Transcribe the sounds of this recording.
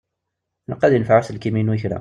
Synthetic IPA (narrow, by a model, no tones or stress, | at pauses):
nəqːæðjənfʕasəlkiminuçɾæ̰